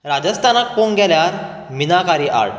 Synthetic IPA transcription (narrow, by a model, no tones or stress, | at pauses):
ɾad͡ʑəst̪ʰanak̚poŋɡʱɛljaɾ | minakaɾiːʔa̰ɽ